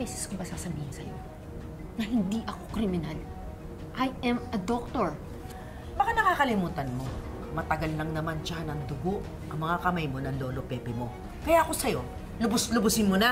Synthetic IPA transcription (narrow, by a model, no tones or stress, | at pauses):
ɛːsɛskobɐsaːsɐbiːhɪnsɐ̰jo̞̰ | nɐhɪnd̪iʔɐko̞kɾɪmɪnal | ʔajɛmɐd̪ok̚t̪oɹ | bɐkanɐkaːkɐlɪmuːt̪ɐnmo̞ | mɐt̪ɐɡalnɐŋnɐmanʃanɐŋd̪ʊɡo̞ʔ | ʔɐŋmɐŋakɐmajmo̞nɐŋlo̞ːlo̞pɛːpɛmo̞ | kɐjaʔɐko̞sɐjo̞ | lʊbʊslʊbʊsɪnmona